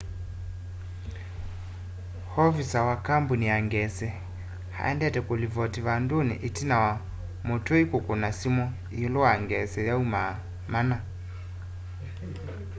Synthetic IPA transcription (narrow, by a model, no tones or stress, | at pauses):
hɔvisawakambunijaŋɡɛsɛ | ha̰ɛ̰ndɛtɛkolivɔtiβandonḭʔitinawa | motoikokonasimɔ | jolɔwaŋɡɛsɛjauma | mana